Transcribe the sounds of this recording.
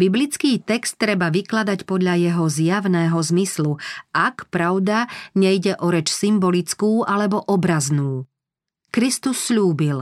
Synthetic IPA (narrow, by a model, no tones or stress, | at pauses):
biblit͡skiːt̪ɛkst̪ːɾɛbaʋiklad̪acpɔd̪ʎajɛɦɔzjaʋnɛːɦɔzmisluakpɾaʊd̪aɲɛjɟɛʔɔɾɛt͡ʃsimbɔlit͡skuːʔalɛbɔʔɔbɾaznuː | kɾist̪usːʎuːbil